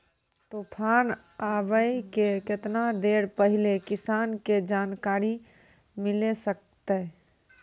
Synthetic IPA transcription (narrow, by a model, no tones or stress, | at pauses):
t̪opʰan | abəjkeket̪nad̪eɾpəɦilekisanked͡ʒankaɾi | milesək̚ | t̪ə